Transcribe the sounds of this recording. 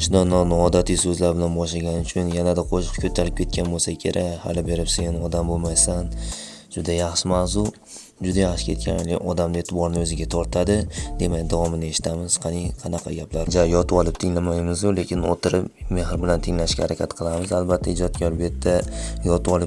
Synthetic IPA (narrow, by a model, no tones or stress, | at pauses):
ɪʃd̪ɒnɒnɒd̪at̪ʰɪjsɵzlaɾbɪlanbɒʃlaɡʲanɪʊt͡ʃʰʊnjanad̪aqʰoʃɪ̥qkʰʲɵt̪ʰːaɾɪp̚kʲʰe̞t̪̚kʲanbolˠsakʲʰe̞̰ɾʔakʲha̰lɪbe̞ɾɪpse̞nɒd̪ambolˠmajsan | d͡ʒ̥ʊd̪ajɑχʃɪmazʊ | d͡ʒʊd̪ajaχʃɪ̥kʰʲe̞t̪̚kʲʰa̰nlɪɒd̪amd̪ɪe̞t̪ʰɪbɒɾnɪɵzɪɡʲat̪ʰɒɾt̪ʰad̪ɪd̪e̞makʲd̪avɒmɪnɪe̞ʃɪ̥t̪ʰamɪz̥qʰɑnɪqʰɑnɑqʰɑ̰ɡʲaplaɾd͡ʒajɒt̪ʰɪɒlˠɪp̚t̪ʰɪŋlamajmɪzjʊle̞kʲɪnot̪ʰɪɾɪpme̞hɾbɪlant̪ʰɪŋlaɪʃkʲahaɾakʲʰat̪qʰɨlˠamɪzalbat̪ʰːaɪd͡ʒɒt̪̚ɡʲɒɾbe̞t̪ʰːajɒt̪ʰɪɒlˠɪp